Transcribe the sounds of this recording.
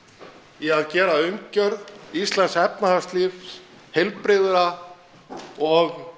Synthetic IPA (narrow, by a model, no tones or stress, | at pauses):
jɛɣaðcɛːɾaʏmcœɾðist̪lansɛpnaḁst̪liːv | helpɾɪðʏɾa | ɔɣ